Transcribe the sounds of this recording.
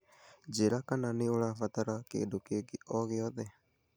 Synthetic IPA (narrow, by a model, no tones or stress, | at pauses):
d͡ʒeɾakananiulafat̪aɾakḛːdukeɡiʔɔɣeɔðɛ